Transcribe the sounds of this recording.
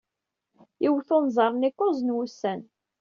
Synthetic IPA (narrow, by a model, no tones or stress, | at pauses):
iwθonzˤɑɾˤnikːʊzənwusːæn